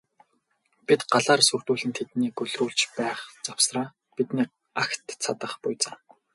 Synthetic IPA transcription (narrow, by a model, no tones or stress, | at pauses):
pit̪ɢaɮaːrsur̥t̪uːɮɘ̆nt̪ʰet̪niːkɵɮruːɮt͡ɕpæːχt͡sawsraː | pit̪niː | axt̪t͡sʰat̪ə̆χpʊjt͡săŋ